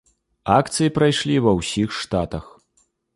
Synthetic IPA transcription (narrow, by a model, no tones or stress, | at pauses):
akt̪sɨjipɾajʂlʲivɐwsʲixʂt̪at̪ɐx